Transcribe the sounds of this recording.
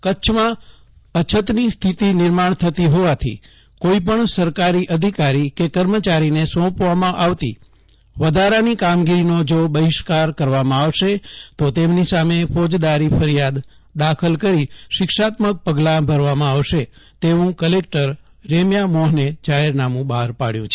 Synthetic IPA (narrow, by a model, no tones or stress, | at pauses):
kəːt͡ʃʰmã | ət͡ʃʰət̪nist̪ʰit̪inɪɾmaɳt̪ʰət̪iɦoʋat̪ʰḭ | koipəɳsəɾkaɾiʔəd̪ʱikaɾikekəɾmət͡ʃaɾinesɔ̃pʋamãʔaʋt̪ḭ | ʋəd̪ʱaɾanikamɡiɾinod͡ʒobəɦiʃkaɾkəɾʋamãaʋʃet̪ot̪emnisamefɔd͡ʒd̪aɾifʰəɾijad̪ | d̪akʰəlkəɾiʃɪkʃat̪mək̚pəɡlabʱəɾʋamãaʋʃet̪eʋũkəlek̚ʈəɾː | emjamɔɦned͡ʒaɦeɾnamũbaɦɾpaɽjṵ̃t͡ʃʰe